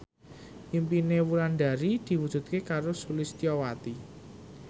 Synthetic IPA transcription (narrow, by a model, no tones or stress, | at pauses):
ʔimpinewuɾanɖ̪a̤ɾid̪̥i̤wud̥ʒ̥ṳt̪̚kekaɾosulɪst̪iɔwat̪i